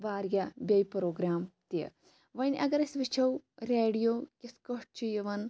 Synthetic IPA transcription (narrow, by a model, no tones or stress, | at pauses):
ʋaːɾjɐbʲɐjpɾoːɡɾaːmt̪ḛ | ʋɐnʲʔɐɡɐɾɐsʋit͡ʃʰɐwɾeːɽijoːkʲiskoʈ̚t͡ʃʰijɐʋɐn